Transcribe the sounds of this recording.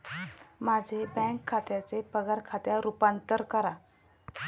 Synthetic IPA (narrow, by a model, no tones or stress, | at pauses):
mad͡zʱebɛ̃ŋkʰːat̪jat͡sepəɡaɾkʰat̪jaɾupant̪əɾkəɾa